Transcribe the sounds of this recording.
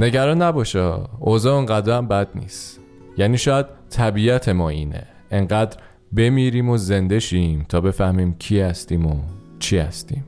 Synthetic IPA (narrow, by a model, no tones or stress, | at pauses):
ne̞ɟæɾɒːnːæbɒːʃɛozɒːoŋɢæd̪ɾæmbæd̪nḭːs | jæniːʃɒːjæd̪̥̚t̪ʰæbiːæt̪ʰe̞mɒːiːnḛ | eŋɢæːd̪ɾ | be̞miːɾiːmoze̞nd̪e̞ʃiːmt̪ʰɒːbe̞fæhmiːmcʰiːhæst̪iːmot͡ʃʰihæ̰st̪iːm